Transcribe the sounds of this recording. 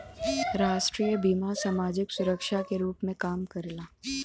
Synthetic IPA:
ɾaːʃʈɾiːjəbiːmasaːmaːd͡ʒɪksʊɾəkʃakeɾuːpmẽkaːmkɐɾlaː

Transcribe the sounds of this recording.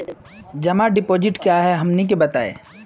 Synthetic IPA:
d͡ʒɐmaɖɪpoːd͡ʒɪʈkjaɦɛɦɐmnek̬ebɐt̪a̰ːḛː

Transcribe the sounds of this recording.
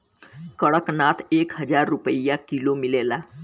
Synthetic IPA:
kəɭəknat̪ekɦəd͡zaɾːupəjakilomilela

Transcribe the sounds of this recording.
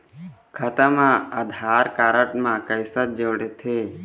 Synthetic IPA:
kʰət̪əmãəd̪ʱaːɾkaːɾəʈmãkəjsət̪̚d͡ʒoːɽet̪ʰe

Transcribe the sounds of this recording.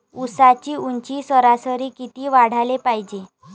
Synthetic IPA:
usat͡ɕiːuɲt͡ɕiːsəɾasəɾiːkit̪iːʋaɽ̤alepajid͡ʑe

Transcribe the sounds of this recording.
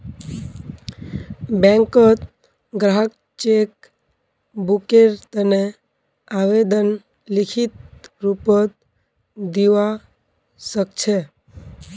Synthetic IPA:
bɛ̃ŋkət̪ | ɡɾaɦk | t͡ʃek̚ | bukeɾt̪əne | aʋed̪ən | lɪkʰit̪̚ɾupət̪̚ | d̪iʋa | sək̚t͡ʃʰe

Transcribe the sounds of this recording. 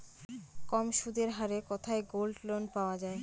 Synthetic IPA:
kɔmʃud̪eɾɦaɾekɔt̪ʰaeɡolɖlonpaoad͡ʑae

